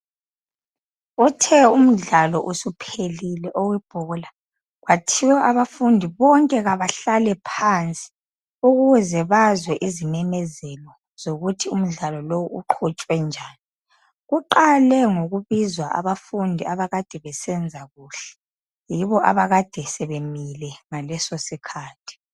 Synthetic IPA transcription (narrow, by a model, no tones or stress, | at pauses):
utʰɛum̩ɮalɔʔusupʰelilɛʔoɣwib̥ʱuɣula | ɣwatʰiwɛʔaβafundʱiβɔŋkʼɛɣaβaɬalɛpʰant͡sʼi̥ | uɣuwɛzɛβazwɛʔizimɛmɛzɛlɔ | z̥oɣutʰium̩ɮalɔlowuuǃʰut͡ʃʼwɛnd͡ʒʱaːni | ɣuǃalɛŋoɣuβizwaʔa̰βafundʱiaβaɣad̥ʱɛβɛsɛnd͡zʱaɣuːɬɛ̥ | jiβɔʔa̰βaɣad̥ʱɛsɛβemilɛŋalɛsosikʰaːtʰi̥